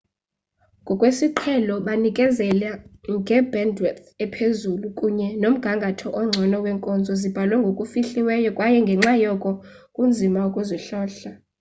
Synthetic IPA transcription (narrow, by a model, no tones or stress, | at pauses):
ŋɡʱɔkʼwesiǃʰɛlɔɓanikʼɛzɛlaŋɡʱɛbɛndwɛt̪ɛpʰezulukʼuɲɛnom̩ɡ̥ʱaŋɡʱatʰɔʔɔŋ͡ǀʱɔnɔwɛŋkʼɔnd͡zʱɔzib̥ʱalwɛŋɡʱokʼufiɬiwɛjɔkʼwajɛŋɡʱɛŋ͡ǁajɔkʼɔ | kʼund͡zʱimaukʼuzɔɬɔːɬa